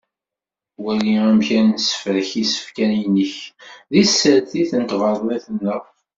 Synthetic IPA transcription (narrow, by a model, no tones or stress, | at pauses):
wæliæmçænnsə̥fɾəçisə̥fkæninəçðisəɾθiθənt̪vəɾˤðæθənːəʁ